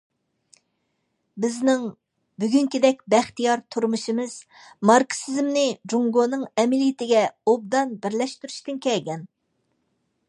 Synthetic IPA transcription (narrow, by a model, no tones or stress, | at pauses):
bɪznɪŋ | byɡʲyŋkʲid̪ɛk̚ʲbɛχt̪ijɑɾt̪ʰuɾmuʃimɨz̥ | mɑɾksizmnɪd͡ʒuŋɡonɨŋɛmɪlijit̪ʰɪɡʲɛob̚d̪ɑnbɪɾlɛʃt̪yɾyʃt̪ɪnkʲɛlɡʲɛn